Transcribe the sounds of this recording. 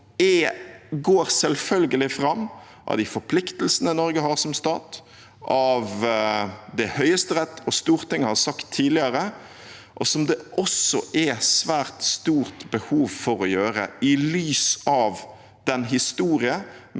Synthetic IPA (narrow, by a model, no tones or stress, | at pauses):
ɛɡoːɾsɛlfœlɡəlɪfɾɑmː | ʔɑ̰ʋd̪æɪfɔɾpʰlɪkt̪əlsənəɪnɔɾɡəhɑːɾsɔmst̪ɑːt̪ | ʔɑʋ | d̪ɛhœʏəst̪əɾɛt̪ːɔst̪uːɾt̪ɪŋːhɑɾsɑkt̪ʰːiːdlɪəɾə | ʔɔsɔmd̪ɛʔɔsɔʔɛsʋæːɾt̪st̪uːɾt̪bəhuːʋfɔɾɔjøːɾə̰ɪlyːsɑʋ | d̪̥ɛnɦɪst̪uːɾɪə